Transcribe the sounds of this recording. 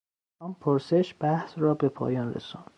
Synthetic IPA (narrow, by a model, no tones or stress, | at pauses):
ɒːmpʰoɾseʃb̥æhsrɒːbe̞pʰɒ̰ːjɒːnrḛsund̪̥